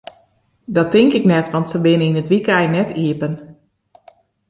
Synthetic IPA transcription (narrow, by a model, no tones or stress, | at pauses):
dɔtɪŋkɪknɛtʋɑntsəbɪnəinətʋikɛjnɛtʰiəpən